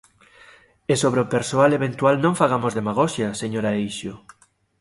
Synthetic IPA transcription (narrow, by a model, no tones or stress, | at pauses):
esoβ̞ɾeopeɾsoaleβent̪ualnõŋfaɣ̞amozðemaɣ̞oʃjaseɲoɾaejʃo